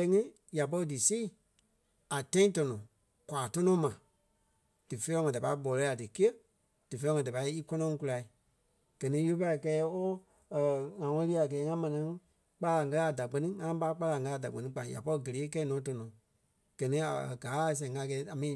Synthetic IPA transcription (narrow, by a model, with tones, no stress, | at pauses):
ɛ˧˦ŋĩ˦ | ja˨p̬ɔ˧ɾi˦dɨ˨siː˦˨ | a˨tɛ̃˦ĩ˦tɔ˧nɔ̃˨ | kwaː˨tɔ˦nɔ̃˦mã˨ | d̥ɨ˨fe˦ɔ̃˧˦ŋɔ̃˨da˨pa˧˦i˦bɔ˨lɛ˨˦a˨dɨ˨ki˦ə˦ | d̥ɨ˨fẽ˧˦˧ŋɔ̃˧˨da˨pa˧i˦i˦kɔ˦nɔ̃˧ŋ˧ku˧la˧i˨ | ɡ̥ɜ˨nĩ˦ju˦u˦pa˧i˨kɛː˨˦o˦˨ | ŋã˨ŋɔ̃˧˦i˦˨a˨ɡɛː˨˦ŋã˦mɛ̃˨nĩ˨˦ | k͡pa˦la˨ŋɜ˧la˧˨da˨ɡ͡bɜ˦nĩ˦ŋã˧˦ɓa˦k͡pa˧la˨ŋɡɜ˧˦a˧˨da˨k͡pɜ˨nĩ˧˦k͡pã˨ja̰˨pɔ˧˦i˧˦ɡə˨leː˨˦kɛː˦nɔ̃ː˨˦t̬ɔ˧nɔ̃˨ | ɡ̥ɜ˨nĩ˦a̰˨ɡaː˨˦˨s̬ɛ̃˨ŋa˧˦kɛː˨˦a˨mĩː˨˧˦